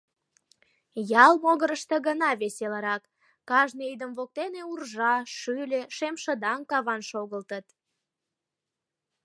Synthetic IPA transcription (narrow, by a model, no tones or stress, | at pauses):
jɑlmoɣəɾəʃt̪əɣənɑβeseləɾɑkː | ɑʒneid̪əmvok̚t̪eneurʒɑʃylʲeʃemʃə̆d̪ɑŋkɑβɑnʃoɣəlt̪ət̪